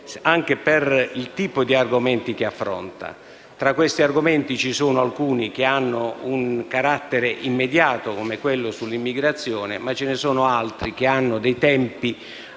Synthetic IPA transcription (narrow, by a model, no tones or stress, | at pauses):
aŋk̟eperilt̪iːpod̪iarɡomɛnt̪ik̟eafːɾɔ̰nt̪a̰ | t̪ɾakːwest̪iarɡomɛnt̪it͡ʃisuːnoalkuːnik̟eanːouŋkaɾat̪ːeɾeʔimːed̪jaːt̪okomekwelːʊsulːimːiɡɾat̪sːjɔːnɪ̰mat͡ʃːɪnɪsɔːnoalt̪ɾik̟eanːʊd̪ɛjt̪ɛmpi